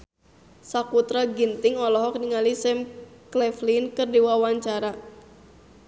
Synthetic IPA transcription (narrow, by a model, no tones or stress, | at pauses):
sakut̪ɾaɡint̪ɪŋɔlɔɦɔk̚niŋalisɛmklɛflinkɨrdiwawaɲt͡ʃaɾa